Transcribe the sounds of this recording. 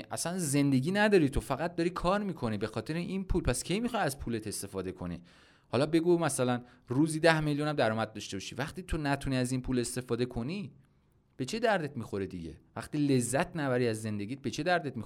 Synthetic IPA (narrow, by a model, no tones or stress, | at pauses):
ʔæ̰sænze̞nd̪e̞ɟiːnæd̪ɒːɾiːt̪ʰo̞fæɣæt̪̚d̪ɒɾiːkʰɒːɾmiːkʰo̞niːbe̞xɒːt̪ʰe̞ɾeʔinpʰuːlpʰæscʲʰe̞jmixɒjæzpʰuːle̞t̪ʰe̞st̪e̞fɒːd̪e̞kʰo̞̰nḭ | hɒlɒbe̞ɡumæsælænruːziːd̪æhmeljunæmd̪æɾɒːmæd̪̚d̪ɒʃt̪e̞bɒʃḭvæχt̪iːt̪ʰo̞næt̪ʰuniːæzinpʰuːle̞st̪e̞fɒːd̪ekʰo̞ni | b̥e̞t͡ʃʰe̞d̪æɾd̪e̞t̪miːxo̞ɾed̪ḭɟe̞̰væχt̪iːle̞zːæt̪ʰnæbæɾiːæzːe̞nd̪e̞ɡiːt̪̚bet͡ʃʰe̞d̪æɾd̪et̪̚mi